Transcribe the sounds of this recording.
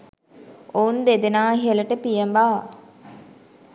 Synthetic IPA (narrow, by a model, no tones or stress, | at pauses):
ound̪ed̪enaːɦiələʈəpijəmbaː